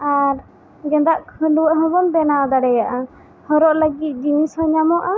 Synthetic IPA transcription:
aɾ | ɡɛ̃nd̪aʔkʰəluwɛʔɦɔ̃bɔnbɛnad̪aɽɛjaʔa | hɔɾɔʔləɡit̪̚ˀd͡ʒĩshɔɲamɔʔa

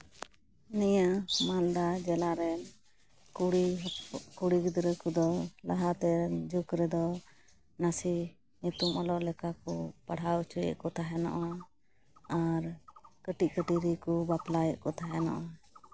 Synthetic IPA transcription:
nɛjaʔmald̪ad͡ʒɛlaɾɛn | kuɽikuɽiɡud̪ɾəkɔd̪ɔla̰ɦat̪ɛd͡ʒukɾɛd̪ɔ | nasi | ɲut̪umalɔʔlɛkakɔpaɽ̤awt͡ʃujɛ̰ʔkɔt̪aɦɛnɔ̰ʔa | aɾkəʈiʔ̚kəʈiɾikɔbaplajɛ̰ʔkɔt̪ʰaɦɛnɔ̰ʔa

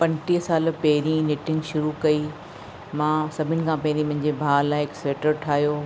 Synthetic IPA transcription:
pɐ̃nʈiːsaːlpɐɦɪɾĩnɪʈɪ̃ŋɡʃʊɾukɐi | mãːsɐbʱɪnɪ̆kʰãːpɐɦɪɾĩmɐ̃ɦɪ̃ɲd͡ʑebʱaːlãːɦɪkseːʈəɾʈʰaːɦjoː

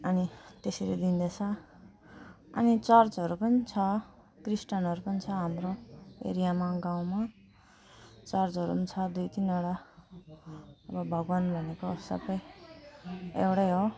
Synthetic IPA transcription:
ʌnit̪esiled̪ind̪et͡sʰʌ | ʌ̰nit͡sʌrt͡sɦʌɾupʌnit͡sʰʌ | krisʈʌnɦʌɾupʌnit͡sʰʌɦamroḛɾijamaɡãw̃ma | t͡sʌrt͡sɦʌɾupʌnit͡sʰʌd̪ujt̪inʌɽa | ʌbʌbʱʌɡwanbʱʌnekosʌ̰bʌj | ḛwɽajɦo

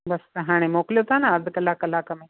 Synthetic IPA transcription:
bɐsɐɦaːɽ̃emoːkljot̪aːnaɐd̪kɐlaːkɐlaːkɐme

